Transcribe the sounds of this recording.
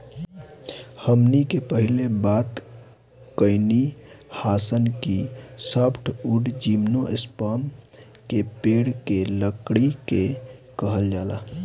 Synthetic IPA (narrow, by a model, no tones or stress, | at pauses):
həmnikepəɦilebat̪ | kəɪnihasənkisəpʰʈʰuɖd͡ʒimnoʔespəm | kepeɽkeləkɽikekəɦəld͡ʒala̰